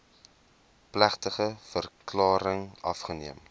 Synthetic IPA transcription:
plæχtəχəfərklɑːɾəŋʔɐfχəniəm

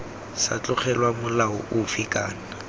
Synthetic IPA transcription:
sa̰t͡ɬʼʊχɛlwamʊlaʊʔʊfɪkʼaːna

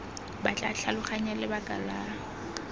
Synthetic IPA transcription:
bat͡ɬʼaɬʰalʊχaɲalɪbakʼa̰laːɔ

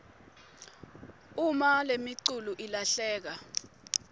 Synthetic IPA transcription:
umalemiǀuluʔilaɬɛːk̬a

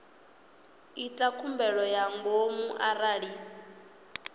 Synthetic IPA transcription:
itʼakʰumbɛɺɔjaŋɡomuʔaɾaɺi

